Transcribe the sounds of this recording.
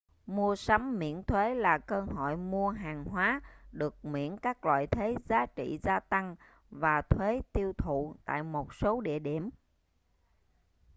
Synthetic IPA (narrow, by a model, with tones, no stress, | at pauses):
mu˧əsa˨˦mːḭ˧˥ənt̪ʰwe˨˦laː˨˩kəː˧ho̰˧˨jmu˧əɦaː˨˩ŋɦwaː˨˦ɗɨ˨˩ək̚mḭ˧˥ənkaː˦˥k̚lwa̰ː˧˨jt̪ʰe˨˦zaː˨˦t͡ɕḭ˧˨zaː˧t̪a˧ŋ | vaː˨˩t̪ʰwe˨˦t̪i˧əwt̪ʰṵ˧˨t̪a̰ː˧˨jmo˨˩t̚so˨˦ɗḭ˧˨əɗi˧˩əm